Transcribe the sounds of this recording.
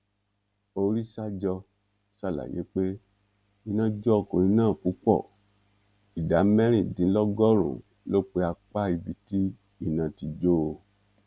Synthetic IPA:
o˧ɾi˦sa˦d͡ʒɔ˧ | sa˦˨la̰˨jḛ˨˦k͡pe˦ | i˧nã˦d͡ʒɔ˦˨ko˨i˧nãː˦˨ku˨˦k͡pɔ̰˦˨ | i˨da˨˦mɛ̃˦ɾ̃ĩ˦˨dĩ˨˦lɔ˦ɡɔ˦ɾo̰˨ | lo˦k͡pe˧˦a˧k͡pa˦i˧bi˧˦ti˦ | i˦˨nã˨ti˧d͡ʒo˦˧

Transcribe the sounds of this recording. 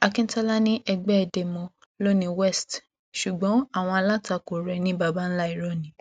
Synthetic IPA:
a˧kĩ˦n˦ta˦la˦nĩ˦ʔɛ˧ɡ͡bɛ˦ɛ˧˨de˧mɔ̃˧ | lo˦˨nĩ˧wɛ˦˨st | ʃu˨ɡ͡bɔ̃˨˦a˦˨w̃ɔ̃˧a˧la˦ta˧˨ko˨ɾɛ˨˧nĩ˦ba˧˨ba˦n̩˦la˦i˨ɾɔ˦˨nĩ˨˦

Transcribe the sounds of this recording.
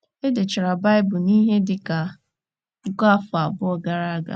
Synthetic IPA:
e˦de˨t͡ʃɪ˨ɾa˨ba˦ɪ˦bʊ˨ni˦ɦe˦dɪ˨ka˨ | ŋ̩˦ka˦fa˨bʊ˦ɔ˨ɡa˨ɾa˦a˦ɡa̰˨

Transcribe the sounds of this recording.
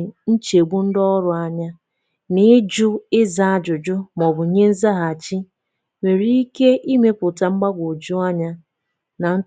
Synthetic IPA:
n̩˦t͡ʃe˨ɡ͡bu˦n̩˦dɔ˦ɾʊ˨a˦ɲa˦ | nɪ˦d͡ʒʊ˦ɪ˦za˦˨a˦d͡ʒʊ˨d͡ʒʊ˦m˨ɔ˨bʊ˨ɲe˦n̩˦za˦ɦa˨a˨t͡ʃi˦ | me˨ɾi˦i˦ke˦ʔi˦me˦pʊ˨ta˦ŋ͡m̩˦ɡ͡ba˦ɡʷo˨d͡ʒʊ˦a˦ɲa˦ | na˨n̩˦

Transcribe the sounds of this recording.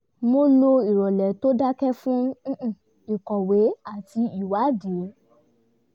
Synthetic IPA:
mo˧lo˧i˨ɾɔ˨lɛ˨to˦da˦kɛ˦fũ˦˨ | i˨kɔ˨we˨˦a˦˨ti˧i˨wa˨˦di˨o˨˦

